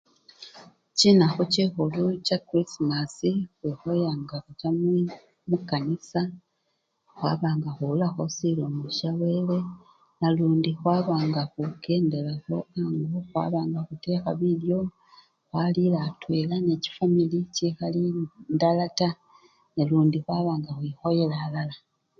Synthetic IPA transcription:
cinaxucixulucakɾisimasixwexo̞jaːŋɡaxucam | mukːanisa | xwa̰ːβaːŋɡaxuulaxosiloːmuʃaβe̞le̞ | naluːndixwaːβaːŋɡaxuɡe̞ːnde̞laxo̞aŋɡoxwa̰ːβaːŋɡaxute̞ːxaβiljo̞ | xwalilatweːlane̞ci̥familicixalindalata | neluːndixwaːβaːŋɡaxwixo̞jelaːlala

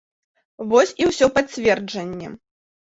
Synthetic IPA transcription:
vɔsʲiwsʲɔpat͡sʲvʲɛrd͡ʐɐnʲːɛ̰

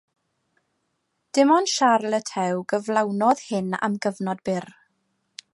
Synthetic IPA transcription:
d̥ɪmɔnʃarlˠətʰɛwɡəvlˠawnɔð̥hɪna̰mɡəvnɔdbɪr

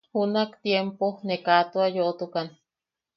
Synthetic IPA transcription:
hunakt̪jemponekat̪oajoʔot̪ukan

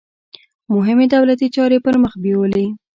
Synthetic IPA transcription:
mʊɦɪmed̪awlat̪it͡ʃɑɾepəɾməxbewəle

